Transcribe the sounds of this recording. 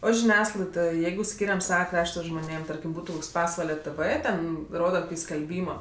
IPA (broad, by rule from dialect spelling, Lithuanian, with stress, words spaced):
oː ʒʲɪˈnʲæːsklˠɐɪdoːj ˈjɛɪɡʊ ˈsʲkʲiːrʲɛm ˈsɑːʋɐ ˈkrɑːʃtɐ ʒmoːˈnʲeːm ˈtɐrʲkʲɪm ˈbuːtʊ ˈpɑːsʋɐlʲɛ ˈtɜʋɜ ˈtʲɛn ˈroːdɐ koːˈkʲiː sʲkʲɛlʲˈbʲiːmoː